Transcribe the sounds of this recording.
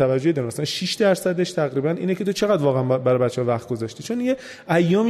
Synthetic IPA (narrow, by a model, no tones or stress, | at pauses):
ævæd͡ʒːo̞ed̪ɒɾimæsænʃiʃd̪æɾsæd̪e̞ʃt̪ʰæɣɾiːbænʔiːnecʰe̞t̪ʰo̞t͡ʃʰe̞ɣæd̪vɒːɣeænbæɾɒbæt̪t͡ʃːeɒvæχt̪̚ɡo̞zɒːʃt̪iːt͡ʃʰo̞nje | æjːɒːmi